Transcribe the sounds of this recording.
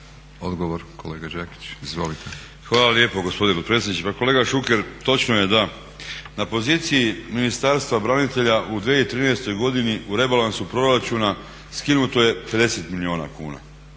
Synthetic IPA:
od̪ɡoʋoɾkoleːɡad͡ʒeki̥t͡ɕizʋolit̪ʰe | xʋaːlalje̞ːpo̞ɡo̞spo̞d̪inepot̪pɾesenit͡ʃeako̞le̞ːɡaʃuke̞ɾt̪o̞t͡ʃnoje̞d̪a | napo̞ziːt̪sijiminist̪aɾst̪vʋabɾanit̪e̞ʎaʔud̪ʋjeit̪ɾiːnest̪ojɡo̞d̪iniʔuɾe̞balansupɾo̞ɾat͡ʃuna | skinut̪oje̞pe̞d̪e̞se̞t̪milio̞ːna̰kuːna̰

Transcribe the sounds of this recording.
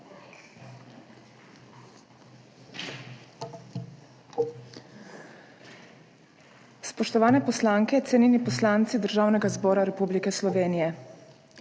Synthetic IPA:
spɔʃt̪ɔʋaːnɛpɔslaːŋkɛt̪sɛninipɔslaːnt̪sid̪əɾʒaːwnɛɡazbɔːɾaɾɛpublikɛslɔʋeːnijɛ

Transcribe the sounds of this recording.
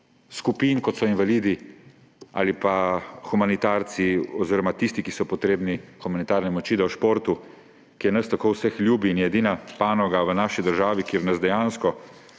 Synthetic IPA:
skupinkɔt̪sɔinʋaliːd̪i | a̰ːlipaxumanit̪aɾt̪siɔzeːɾɔmat̪ist̪ikisɔpɔt̪ɾeːbnixumanit̪aːɾnɛmɔt͡ʃiːd̪awʃpoːɾt̪u | kijɛnɐst̪akowsəxljuːbiːnɛd̪inapaːnɔɡaʋənaːʃid̪əɾʒaːʋikeːɾnɐzd̪ɛjanskɔ

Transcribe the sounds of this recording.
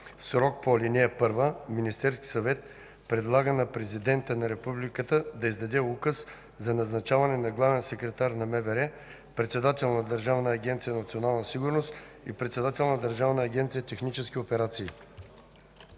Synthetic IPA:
sɾɔk̚polʲinɛɛpɤɾvəminist̪ɛɾskʲi̥sɐvɛt̪̚ | pɾɛd̪lˠaɡənɐpɾɛzid̪ɛnt̪ənɐɾɛpublikət̪əd̪ɐizd̪ɐd̪ɛukəs | zɐnɐznɐt͡ʃavɐnɛnɐɡlˠavɛnsɛkɾɛt̪aɾnɐmɛvɛɾɛ | pɾɛt̪sɛd̪at̪ɛlˠnɐd̪ɐɾʒavnəːɡʲɛnt̪sijənɐt̪sionalˠnəsiɡʊɾnost̪ | ḭpɾɛt̪sɛd̪at̪ɛlˠnɐd̪ɐɾʒavnəːɡʲɛnt̪sijət̪ɛxnit͡ʃɛskʲiopɛɾat̪siː

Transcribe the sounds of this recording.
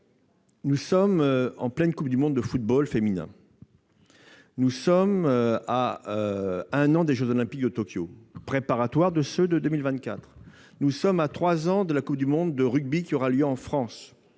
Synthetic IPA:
nusɔmɑ̰̃plɛnkup̚d̪ymɔ̃d̪ːəfut̪̚bɔlfeminɛ̰̃ | nusɔmaøɛ̃nɑ̃d̪eʒøzɔlɛ̃pik̚d̪ət̪ɔkʲjopχepaʁat̪waʁd̪əsød̪əd̪ømilvɛ̃t̪̚kʲat̪χ | nusɔmat̪χwazɑ̃d̪əlakup̚d̪ymɔ̃d̪ːəʁyɡ̚bikʲiɔʁaljøɑ̃fχɑ̃s

